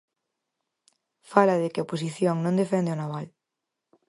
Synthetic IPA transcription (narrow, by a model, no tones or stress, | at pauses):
falɐðɪkɪaopos̬iθjoŋnõnd̪efend̪ɪonaβal